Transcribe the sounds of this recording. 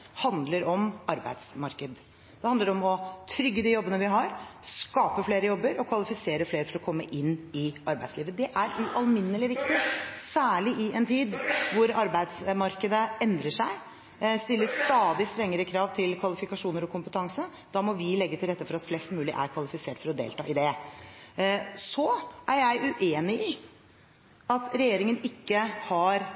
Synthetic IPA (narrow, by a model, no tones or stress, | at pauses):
hɑnd̪ləɾɔmʔɑɾbæ̰ɪd̪smɑɾkəd̪ | d̪̥ɛhɑnd̪əɾɔmɔt̪ʰɾʏɡːəd̪iːjɔbːənəʋɪɦɑɾskɑːpəfleːɾəjɔbːəɾɔkʰʋɑlɪfɪseːɾəfleːɾəfɔɾɔkʰɔmːəʔɪnːɪʔɑɾbæɪsliːʋəd̪ɛʔæɾʉʔɑlmɪnːəlɪʋɪkt̪ɪsæːɭɪʔɪʔɛnt̪ʰiːd̪ʋʊɾɑɾbæɪd̪smɑɾkəd̪əɛnd̪ɾəʂæɪ | st̪ɪlːəst̪ɑːd̪ɪst̪ɾɛŋːəɾəkʰɾɑːʋt̪ʰɪlkʰʋɑlɪfɪkɑʂuːnəɾɔkʰʊmpət̪ʰɑŋsə | d̪̥ɑːmɔʋɪlɛɡːət̪ʰɪlɾɛt̪ːəfɔɾɑt̪flɛst̪mʉːlɪ̰ʔæ̰ɾkʰʋɑlɪfɪseːʈfɔɾɔd̪ḛːlt̪ɑ̰ːʔɪd̪ɛ | sɔʔæɾjæɪʔʉʔeːnɪɪ | ɑt̪ɾɛjeːɾɪŋənɪkːəhɑɾ